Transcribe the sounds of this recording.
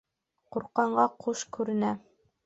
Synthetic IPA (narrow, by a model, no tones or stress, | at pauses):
quɾqɑɴɢɑqʰuʃkʉɾɘ̆næ